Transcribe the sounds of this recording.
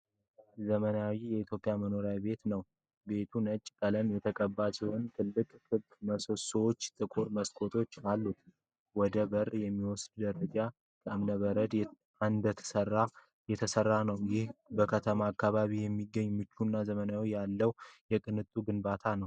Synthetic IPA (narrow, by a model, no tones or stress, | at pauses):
zəmənawijɛit̪ʰjo̞pʼijaməno̞ɾjabe̞t̪nəw | be̞t̪ʰunət͡ʃʼkʼələnjɛt̪ʰəkʼəbːat͡ʃʼɛwɨnt̪ʰɨlːɨkʼkɨbkməsoswot͡ʃːt̪ʼɨkʼoɾməskʰo̞t̪ʰo̞t͡ʃːalːu | wɔd̪əbərjɛmːiwɔsd̪d̪əɾəd͡ʒa | kʼəmnəβəɾəd̪ | and̪ət̪ʰə̥sərːa | jɛt̪ʰəsərːanəwjɪhbəkʰət̪ʰəmaːkːaβaβijɛmːiɡːəɲːmɨt͡ʃːunːazəmənawijalːəwjɛkʼɨnɨt̪ʼuɡɨnbat̪ʰanəw